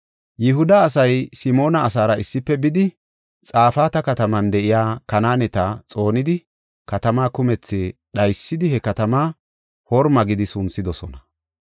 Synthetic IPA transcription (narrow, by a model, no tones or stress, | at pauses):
jɪɦʊd̪ɐːs̬ɐjsɪmo̞ːnɐːs̬aːɾɐɪsːɪpːɛbɪd̪ɪ | t͡sʼaːfaːt̪ɐkɐt̪ɐmɐnd̪ɛʔɪjaːkɐnaːnɛt̪ɐt͡sʼo̞ːnɪd̪ɪ | kɐt̪ɐmaːkʊmɛt͡sːɛɗɐjsːɪd̪ɪhɛkɐt̪ɐmaː | hɔɾmɐɡɪd̪ɪsʊnsɪd̪ɔsɔnɐ